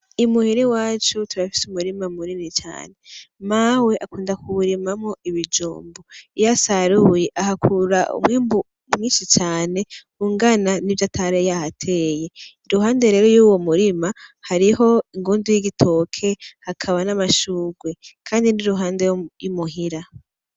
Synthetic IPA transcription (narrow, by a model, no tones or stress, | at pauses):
imuhiɾiwaːt͡ʃutuɾafi̥sumuɾimamuɾinit͡ʃa̰ːne̞mawe̞ʔakuːndakʰuβuɾimamŋoiβid͡ʒṵːmboijasaɾujeʔaɦakʰuɾaʔṵmŋiːmbu | imiːnʃit͡ʃaːne̞kuːŋɡananivjatʰaɾejahatʰe̞ːje̞iɾuɦaːndeɾe̞ɾo̞juːwomuɾimahaɾiɦo̞iŋɡuːndujiɡitʰo̞ːkʰe̞hakʰaβanamaʃuːɡwe̞kʰaːndiniɾuɦaːndejumuɦiɾa